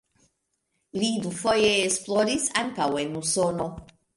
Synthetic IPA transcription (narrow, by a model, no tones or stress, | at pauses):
lid̪ufo̞jeːsplo̞ɾisaŋkawe̞nuso̞no̞